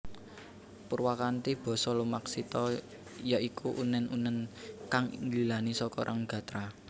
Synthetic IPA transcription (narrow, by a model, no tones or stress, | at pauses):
purwakant̪ib̥ɔ̤sɔlumaksit̪ɔ | jaʔikuʔunɛnʔṵnɛnkaŋŋlilanisɔkɔ̰ɾʔaŋɡä̤t̪ɾa